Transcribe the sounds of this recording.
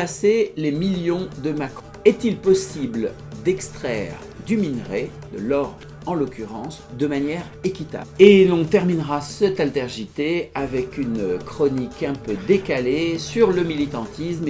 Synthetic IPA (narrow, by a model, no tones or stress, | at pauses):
aselemiljɔ̃d̪əmakχɔ̃ɛt̪ilpɔsibl | d̪ɛkst̪χɛ̰ːʁ | d̪yminʁe | d̪ə̰lɔʁd | ɑ̃lɔkʲyʁɑ̃sd̪əmanjɛʁekʲit̪a̰blelɔ̃t̪ɛʁminʁasɛt̪alt̪ɛʁʒit̪eavɛkynkχɔnikɛ̃pød̪ekalesyʁləmilit̪ɑ̃t̪ism